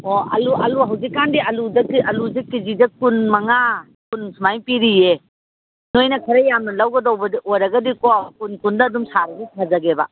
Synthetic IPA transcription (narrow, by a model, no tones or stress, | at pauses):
oɐ̰luɐluɦɐwzikːandiɐluzɐkiʔɐluzik̚ːizidɐkunmɐŋa | kunsmajpiɾije | nojnɐkʰɐɾajamnɐlawɡɐdowbɐdiʔojɾɐɡɐdikɔkunkundɐːdumsaɾɐɡɐtʰazɐɡeba̰